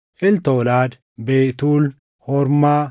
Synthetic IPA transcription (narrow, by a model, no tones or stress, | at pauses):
ʔɪlt̪oːlaːd̪ | beːt̪uːl | hɔɾmaː